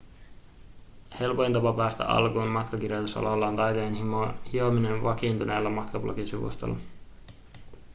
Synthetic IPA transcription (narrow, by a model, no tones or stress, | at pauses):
he̞lpojnt̪ɑpɑpæːst̪æ̰ʔɑ̰lkuːnmɑt̪kɑk̟irjot̪usɑ̰lolːɑːnt̪ɑjt̪oenhiominenʋɑkint̪unʔeːlːɑmɑt̪kɑblʔo̰kisiʋṵst̪o̰lːɑ